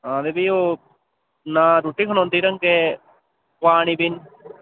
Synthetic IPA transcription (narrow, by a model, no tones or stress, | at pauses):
ɦãːd̪ebio | naːɾuʈiːkʰɐnõnt̪iːɾɐŋke | paːɳibɪn